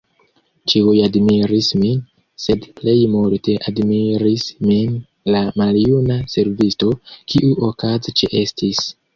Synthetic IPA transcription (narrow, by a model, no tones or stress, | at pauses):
t͡ʃiujadmiɾismin | se̞dple̞jmulte̞ʔadmiɾismin | lamaljunase̞ɾvisto̞kʰiʔuʔokazit͡ʃeʔe̞stis